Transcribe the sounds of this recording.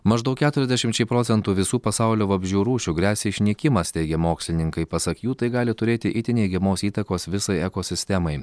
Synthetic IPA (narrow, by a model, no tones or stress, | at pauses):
mɐʒd̪ɐʊkʲæːt̪ʊɾʲɛzʲd̪ʲɛʃʲɪmt͡ʃʲɛɪpɾoːt̪sʲɛnt̪uːʋʲɪsuːpɐsɑˑʊlʲoːʋɐbʲʒʲuːɾuːʃʲuɡɾʲæːsʲeɪʃʲnʲiɛkʲɪmɐst̪ʲɛɪɡʲɛmoːksʲlʲɪnʲɪŋkɐɪpɐsɐkjuːt̪ɐɪɡɑːlʲɪt̪ʊɾʲeːt̪ʲɪʔɪt̪ʲɪnʲɛɪɡʲɛmoːsiːt̪ɐkoːsʋʲɪsɐɪɛkoːsʲɪsʲt̪ʲɛmɐɪ